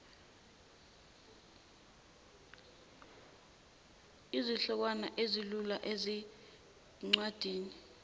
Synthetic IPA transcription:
iziɬɔk̬wanaʔezilulaʔezi | ŋ͡ǀwad̥ʱiːni

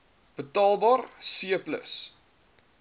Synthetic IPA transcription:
b̥ətɑːlˠbɑːrsiəplə̰s

